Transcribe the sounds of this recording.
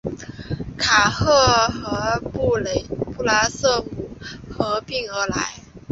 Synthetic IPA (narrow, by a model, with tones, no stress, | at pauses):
kʰa˨˩xɤ˥˩xɤ˧˥pu˥˩le˨˩ɪpu˥˩la˥sɤ˥˩mu˨˩xɤ˧˥pi˥˩ŋə˞˧˥la̰˧˥ɪ